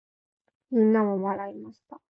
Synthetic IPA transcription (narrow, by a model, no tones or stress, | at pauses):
mĩnːamoβaɾaimaɕi̥t̪a